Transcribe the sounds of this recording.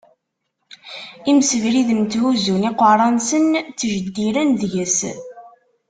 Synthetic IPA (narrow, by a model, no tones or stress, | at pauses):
iməsəvɾiðəmt̪huzuniqəɾˤɑnsənt͡sːʒəd̪ːiɾænðʝəs